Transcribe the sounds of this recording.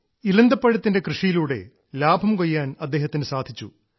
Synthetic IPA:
ilɐnd̪ɐpːɐɻɐt̪ːinde̞krɨʂijiluːɽe̞̰ | laːbʱɐmkojːaːnɐd̪ːe̞ːɦɐt̪ːinɨsaːd̪ʱit͡ɕːṵ

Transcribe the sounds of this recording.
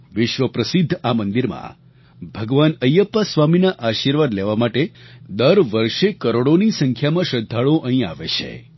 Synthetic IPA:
ʋɪʃʋəpɾəsɪd̪ʱːamənd̪iɾmã̰ | bʱəɡʋanəjəpːasʋaminaʔaʃiɾʋad̪leʋamaʈed̪əɾʋəɾʃekəɾoɽonisəŋkʰjamãʃəd̪ʱːaɭoʔəɦĩa̰ʋet͡ʃʰḛ

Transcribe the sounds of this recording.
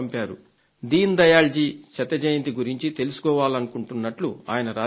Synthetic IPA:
mpaːɾṵ | d̪iːnd̪ɐjaːld͡ʒiːt͡ʃɐt̪ːɐd͡ʒɐjɐnt̪iɡuɾiɲt͡ʃit̪e̞lusu̥kɔːʋaːlɐnukuɳʈunːɐʈlua̰ːjɐnɐɾaː

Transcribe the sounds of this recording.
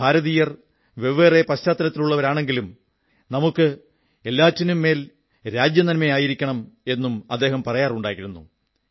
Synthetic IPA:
bʱaːɾɐðiːjɐr | ʋe̞ʋeːre̞pɐɕtaːt̪ːɐlɐt̪ːiluɭːɐʋɐɾaːɳe̞ŋɡilum | nɐmukːɨ | e̞lːaːtːinumːe̞ːl | ɾaːd͡ʑjɐnɐnmejaːjiɾikʲːɐɳɐme̞nːumɐ̰d̪ːe̞ːɦɐmpɐrɐjaːruɳɖaːjiɾunːṵ

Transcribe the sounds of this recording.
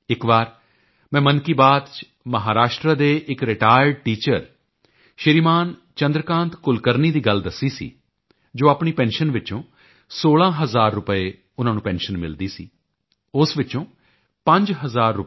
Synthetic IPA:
ɪkʋaːɾ | mɛ̃ːmənkiːbaːd̪t͡ʃ | məɦaːɾaːʃʈɾaːd̪eːʔɪkɾɪʈaːjəɖ̚ʈiːt͡ʃəɾ | ʃəɾiːmaːn | t͡ʃənd̪ɾəkãːnt̪kʊlkəɾniːd̪iːɡəld̪əsiːsḭː | d͡ʒoːaːpɳiːpɛ̃ːnʃənʋɪt͡ʃõː | soːlãːɦəzaːɾːʊpəeː | ʊnãːnũːpɛ̃ːnʃənmɪld̪iːsḭː | ʊsʋɪt͡ʃõː | pə̃ɲd͡ʒɦəzaːɾːʊpː

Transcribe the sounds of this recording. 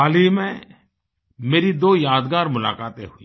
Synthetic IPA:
aːliːmɛ̃ | meːɾid̪oːjaːd̪ɡaːɾmʊla̰ːkaːt̪ḛɦʊḭː

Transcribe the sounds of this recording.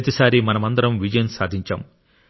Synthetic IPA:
ɐt̪isaːɾimɐnɐmɐnd̪ɐɾɐmʋid͡ʒɐjɐnsaːd̪ʱiɲt͡ʃa̰ːm

